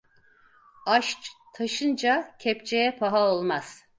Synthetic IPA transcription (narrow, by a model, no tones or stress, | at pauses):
aʃt͡ʃt̪ʰaʃɯnd͡ʒacʲʰɛp̚t͡ʃʰejɛpʰaɦaolˠmaz̥